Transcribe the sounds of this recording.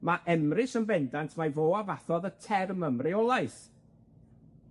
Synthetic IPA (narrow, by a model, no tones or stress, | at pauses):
maʔɛmrɪsənbɛndantʰmajvoːavaθɔðətʰɛrməmrɪɔlˠaɨs